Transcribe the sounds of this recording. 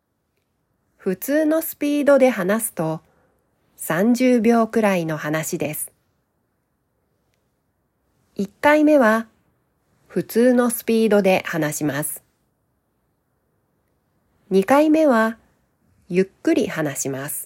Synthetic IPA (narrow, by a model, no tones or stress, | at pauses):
ɸɯ̟t͡sɨːno̞sɨ̥pʲiːd̪o̞d̪e̞ɦanasɨ̥t̪o̞ | sãɲ̟d͡ʑɨːbʲo̞ːkɯ̟ɾaino̞hanaɕid̪e̞sɨ̥ | ikːaime̞βa | ɸɯ̟t͡sɨːno̞sɨ̥pʲiːd̪o̞d̪e̞hanaɕimasɨ̥ | ɲ̟ikaime̞βa | jɯkːɯ̟ɾʲihanaɕimasɨ̥